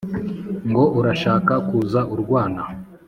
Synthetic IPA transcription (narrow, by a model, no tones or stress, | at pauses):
ŋɡo̞ʔuɾaʃaːkakuːzaʔuɾɡwaːna